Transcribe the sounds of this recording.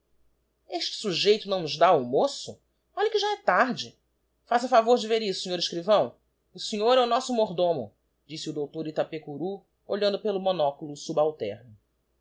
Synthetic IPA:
eʃt͡ʃɪ̥suʒejt̪ʊñw̃nʊzd̪aumosʊ | ɔʎɐkɪʒaɛt̪aɾd͡ʒɪ | fasɐafavoɾd͡ʒɪveɾisʊ̥sĩɲoɾɪʃkɾivɐ̃w̃ | ʊsiɲoɾɛʊnɔsʊmoɾd̪õmʊ̰ | d͡ʒisɪʊd̪owt̪oɾit̪apekuɾu | oʎɐ̃nd̪ʊpelʊmõnɔkulʊsubawt̪ɛ̰ɾnʊ

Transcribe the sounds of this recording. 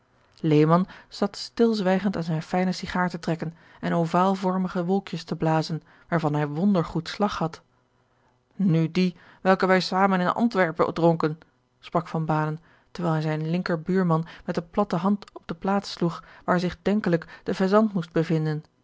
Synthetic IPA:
lejmɑnz̥ɑtstɪlˠzʋɛjχəntaːnzɛjnfɛjnəsiχaːɹtətrɛkən | ɛnowvaːlˠvɔɹməχəʋɔlˠkjəstəblaːzən | ʋaːɹvɑnɦɛjʋɔndəɹχutslɑχhɑt | nydi | ʋɛlˠkəʋɛjsaːmənɪnʔɑ̰ntʋɛɹpə̰drɔŋkən | sprɑkfɑnbaːnən | təɹʋɛːlˠɦɛjzɛjənlɪŋkəɹbyːɹmɑnmɛtənplɑtəɦɑntɔb̚dəplaːtsluχʋaːɹzɪχdɛŋkələkd̥əvɛzɑntmust̚bəvɪndən

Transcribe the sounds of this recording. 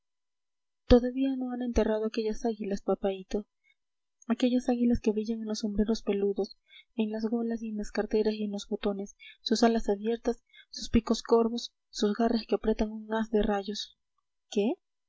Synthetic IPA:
t̪o̞ðaβiano̞ane̞nt̪e̞rað̞oake̞ʝasaɣilaspapait̪o | ake̞ʝasaɣilaske̞βɾiʝaŋenlo̞so̞mbɾe̞ɾo̞spe̞luðo̞s | e̞nlazɣo̞lasienlaskaɾt̪e̞ɾasienlo̞zβo̞t̪o̞ne̞sːusalasaβje̞ɾt̪asː | uspiko̞sko̞ɾβo̞sː | uzɣaraske̞apɾe̞t̪aŋuŋːasd̪e̞raʝo̞s | ke̞

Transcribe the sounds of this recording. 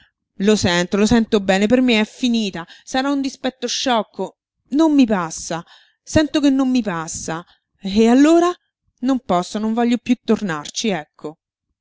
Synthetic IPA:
losɛnt̪olosɛnt̪obɛːnepermeɛfːiniːt̪asaɾaund̪ispɛt̪ːoʃːɔkːo | nomːipasːa | sɛnt̪okenːomːipasːa | ealːoːɾa | nompɔsːonoɱvɔʎːopjut̪ːornart͡ʃiɛkʰːo

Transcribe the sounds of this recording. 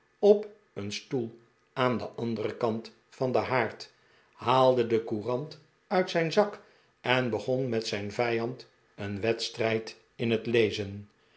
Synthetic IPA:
ɔp | ənstulˠ | aːndəʔɑndərəkɑnt | fɑndəɦaːɹt | haːlˠdədəkurɑnt | œɥtsɛjnzɑk | ɛnbəχɔnmɛtsɛjnvɛjɑnt | ənʋɛtstrɛjt | ɪnətlejzən

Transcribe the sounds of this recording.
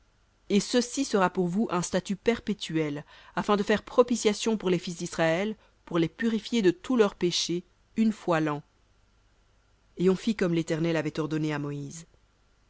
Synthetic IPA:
esəsisəʁapuʁvuʔɛ̃st̪at̪ypɛʁpet̪yɛlafɛ̃d̪əfɛʁpχɔpisjasjɔ̃puʁlefis̬d̪isχaɛl | puʁlepyʁifjed̪ət̪ulœʁpeʃe | ynfwalɑ̃ | eɔ̃fikɔmlet̪ɛʁnɛlavɛt̪ɔʁd̪ɔneamɔiːz

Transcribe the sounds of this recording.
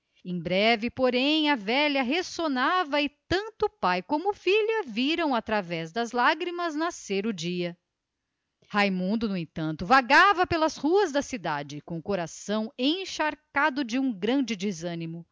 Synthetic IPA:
ẽj̃bɾɛvɪpoɾẽj̃ɐvɛʎɐɦesonavɐɪt̪ɐ̃nt̪ʊpajkõmʊfiʎɐviɾɐ̃w̃at̪ɾavɛzd̪ɐzlaɡɾimɐznaseɾʊd͡ʒiɐ | hajmũnd̪ʊnʊẽt̪ɐ̃nt̪ʊvaɡavɐpelɐshuɐzd̪ɐsid̪ad͡ʒɪkõkoɾasɐ̃w̃ẽʃaɾkad̪ʊd͡ʒɪũɡɾɐ̃d͡ʒɪd͡ʒɪzɐ̃nimʊ

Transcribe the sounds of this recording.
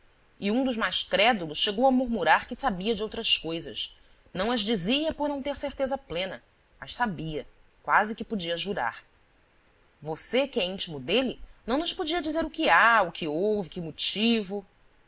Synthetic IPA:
ɪũd̪ʊʒmajʃkɾɛd̪ulˠʊsʃeɡowɐmuɾmuɾaɾkɪsabiɐd͡ʒɪowt̪ɾɐskojzɐs | nɐ̃w̃ɐzd͡ʒiziɐpʊɾnɐ̃w̃t̪eɾseɾt̪ezɐplẽnɐ | mɐʃsabiɐ | kwazɪkɪpʊd͡ʒiɐʒuɾa̰ɾ | vosekɪɛĩt͡ʃimʊd̪elɪnɐ̃w̃nʊʃpod͡ʒiɐd͡ʒizeɾʊkɪaʊkʰɪowvɪkɪmot͡ʃivʊ

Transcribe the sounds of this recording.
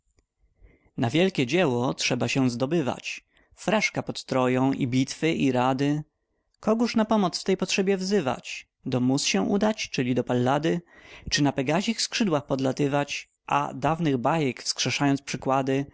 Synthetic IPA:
navʲjɛlkʲɛd͡ʑɛwɔtʂɛbaɕɛzd̪ɔbɘva̰t͡ɕ | fɾaʂkapɔt̪t̪ɾɔjɔ̃w̃ʔḭbʲit̪fɘʔiɾad̪ɘ | kɔɡuʂnapɔmɔt̪sft̪ɛjpɔtʂɛbʲjɛvzɘva̰t͡ɕ | d̪ɔmut̪sɕɛ̃ʔud̪at͡ɕt͡ʂɘlʲid̪ɔpalːad̪ɘt͡ʂɘnapɛɡaʑixskʂɘd̪waxpɔd̪lat̪ɘvat͡ɕ | ʔa̰d̪avnɘɣbajɛkfskʂɛʂajɔnt̪spʂɘkwad̪ɘ

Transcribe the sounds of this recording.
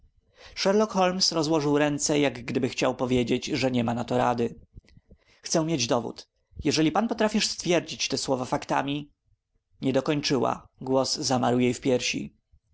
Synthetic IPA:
ʂɛɾlɔkxɔlmsɾɔzwɔʐɘwɾɛnt̪sɛjaɡɡd̪ɘbɘxt͡ɕawpɔvʲjed͡ʑed͡ʑʐɛɲɛmanat̪ɔɾad̪ɘ | xt̪sɛ̃mʲjed͡ʑd̪ɔvṵt̪ | jɛʐɛlʲipanpɔt̪ɾafʲiʂst̪fʲjɛɾd͡ʑit͡ɕt̪ɛswɔvafakt̪a̰mʲi | ɲɛd̪ɔkɔɲt͡ʂɘwa̰ɡwɔszamaɾwjejfpʲjɛɾɕḭ

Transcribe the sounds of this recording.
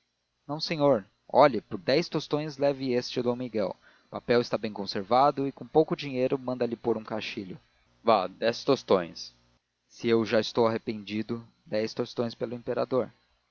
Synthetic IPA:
nɐ̃w̃sẽɲoɾ | ɔʎɐpoɾd̪ɛjst̪ost̪õj̃zlɛvɪest͡ʃɪd̪ɐ̃w̃miɡɛw | papɛwɪst̪abẽj̃kõseɾvad̪ʊɪkõpowkʊd͡ʒiɲejɾʊmɐ̃nd̪ɐlɪpoɾũkaʃiʎʊ | vad̪ɛst̪ost̪õj̃s | sɪewʒaɪst̪owaɦepẽnd͡ʒid̪ʊ | d̪ɛjst̪ost̪õj̃spelʊẽmpeɾa̰d̪oɾ

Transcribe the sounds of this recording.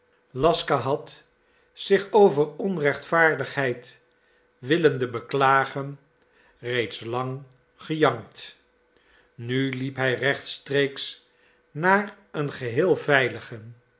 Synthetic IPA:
lɑskaɦɑt | sɪχowvərɔnrɛχtfaːɹdəχɦɛjt | ʋɪləndəbəklaːχən | rejtslɑŋ | χəjɑŋt | nylipɦɛjrɛχtstrejks | naːr | ənχəɦɪːlˠvɛjləχən

